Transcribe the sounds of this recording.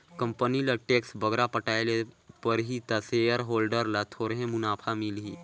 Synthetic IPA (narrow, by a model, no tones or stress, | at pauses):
kə̃mpənilɐʈeːksbəɡɾapəʈaːelepəɾɦit̪aseːjəɾɦoːlɖəɾlat̪ʰoːɾɦẽmʊnaːpʰamilɦi